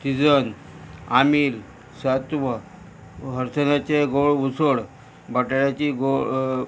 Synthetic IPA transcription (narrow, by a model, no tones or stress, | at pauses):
t̪id͡zən | amiːl | sat̪ʋə | ɦəɾsənat͡ɕeɡoɭʋusəɽ | bəʈaɭjat͡ɕiɡo